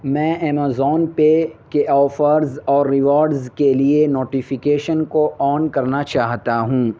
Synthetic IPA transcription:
mɛ̃ːʔɛːmaːzɔːnpekeʔɔːfəɾzɔːɾːɪʋɔːɾɖzkelienoːʈifɪkeːʃənkoʔɔːnkɐɾnat͡ʃaːɦt̪aɦũː

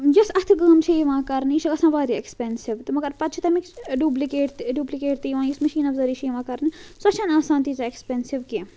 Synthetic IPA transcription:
jusɐt̪ʰɡɐːmt͡ʃʰijiʋãːkɐɾniʃɐɡɐsãːʋaːɾiekspensiʋt̪ɨmɐɡɐɾpɐt̪̚t͡ʃʰit̪ɐmikɖuːblikeːʈt̪ɖuːblikeːʈt̪ijʋãːjusmɐʃiːnɐfzɐɾiːʃʰijiʋãːkɐɾnɨsɐt͡ʃʰɐːnaːsaːnt̪it͡sɐekspeːnsiʋki

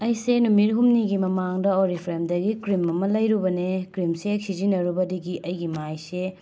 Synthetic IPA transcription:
ɐjsenumiɾɦumniɡimɐmaŋdɐoɾipʰɾemdɐɡikɾimɐmɐlɐjɾubɐnekɾimseksizinːɐɾubɐdiɡiʔɐjɡimajse

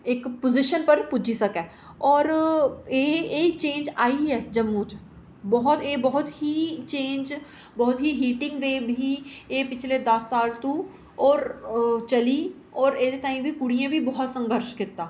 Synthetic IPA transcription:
ɪkpozɪʃənpəɾpʊd͡ʒisəkɛ̃ː | ɔːɾeːeːit͡ʃẽːnd͡ʒaːiɦɛːd͡ʒəmːut͡ʃ | bɔɦʊt̪eːbɔɦʊt̪ɦit͡ʃẽːnd͡ʒ | bɔɦʊt̪ɦiɦiːʈɪ̃ŋɡʋeːbʱiːeːpɪt͡ʃʰled̪ɐsːaːlt̪ũː | ɔːɾt͡ʃəliː | ɔːɾeːd̪et̪aːĩbʱiːkʊɽijãːbʱibɔɦʊt̪sə̃ŋɡʱəɾʃkɪt̪ːaː

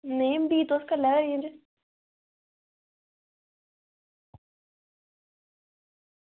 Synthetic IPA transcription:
nejəmpit̪oskalekajinre

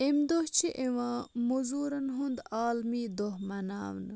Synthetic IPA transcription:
emd̪oht͡ɕʰiʔewãːmuzuːɾɐnɦund̪aːlmid̪ohmɐna̰ːwn

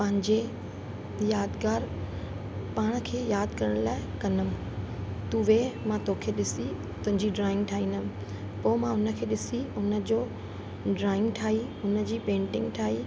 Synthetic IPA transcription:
pɐ̃ɦɪ̃ɲd͡ʑe | jaːd̪ɡaːɾ | paːɽ̃ə̆kʰeːjaːd̪kɐɾəɽ̃laːɪkɐnəm̃ | t̪uːʋemãt̪okʰeːɗɪsi | t̪ʊ̃ɦɪ̃ɲd͡ʑiɖɾaːɪ̃ŋɡʈʰaːĩːnəm | poːmãʊnə̆kʰeːɗɪsiʊnə̆d͡ʑoː | ɖɾaːɪ̃ŋɡʈʰaːiʊnə̆d͡ʑiːpẽːɳʈɪ̃ŋɡʈʰaːi

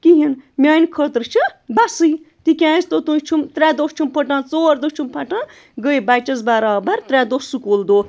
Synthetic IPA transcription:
kiɦinmʲaːnkʰət̪ɾt͡ʃʰɨbasɨjt̪ikʲãːst̪ot̪ũt͡ʃʰumt̪ɾɛːd̪ost͡ʃʰumpʰəʈãːt͡soːɾd̪ot͡ʃʰumpʰɐʈãː | ɡəibat͡ʃɐzbaɾaːbɐɾt̪ɾʲɛd̪osukold̪oː

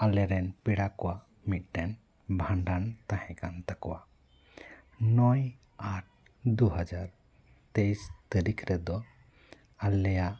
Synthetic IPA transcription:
alɛɾɛnpiɽakɔwaʔ | mit̪̚ˀʈɛn | bʱãɳɖant̪ahɛ̃kant̪akɔwa | nɔj | aʈ̚ | d̪uɦad͡ʒaɾ | t̪ejst̪əɾikɾɛd̪ɔ | alɛjaʔ

